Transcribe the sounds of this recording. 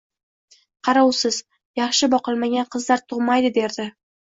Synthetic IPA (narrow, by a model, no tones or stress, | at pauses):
qʰɑɾawsɪz̥ | jɑχʃɪbɒqɨlˠmaɡʲanqʰɨzlaɾt̪ʰʊʁmajd̪ɪd̪e̞ɾd̪ɪ